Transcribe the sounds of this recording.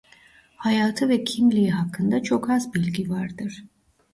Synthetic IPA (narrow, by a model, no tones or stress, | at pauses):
hɑjɑt̪ʰəvɛkʰiŋliɦakʰːənd̪ɑt͡ʃʰɔkʰɑsbilɡivɑɾd̪əɾ